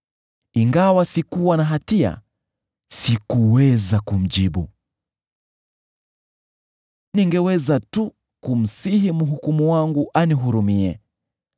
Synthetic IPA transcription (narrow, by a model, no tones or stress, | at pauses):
iŋɡawasikuwanaɦatia̰ | sikuwɛzakum̩ʄiɓṵ | niŋɡɛwɛzatu | kum̩siɦim̩ɦukumuwaŋɡuʔaniɦuɾumiɛ̰